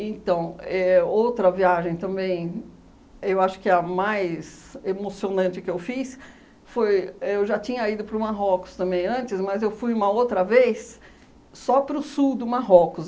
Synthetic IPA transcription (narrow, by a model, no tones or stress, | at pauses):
ẽt̪ɐ̃w̃ɛowt̪ɾɐviaʒẽj̃t̪ɐ̃mbẽj̃ | ewaʃʊ̥kɪɐmajz | emosionɐ̃t͡ʃɪkɪewfis | fojewʒat͡ʃĩɲɐid̪ʊpɾʊmaɦɔkʊ̥st̪ɐ̃mbẽj̃ɐ̃t͡ʃɪsmɐzewfujũmɐowt̪ɾɐvejsː | ɔpɾʊsud̪ʊmaɦɔkʊs